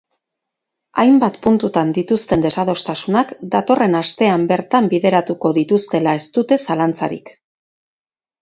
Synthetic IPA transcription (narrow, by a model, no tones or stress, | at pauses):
ajmbat̪punt̪ut̪and̪it̪ust̪e̞nd̪e̞saðo̞st̪asunakd̪at̪o̞re̞nast̪e̞ambe̞ɾt̪ambiðe̞ɾat̪uko̞ðit̪ust̪e̞lae̞st̪ut̪e̞salant͡sa̰ɾḭk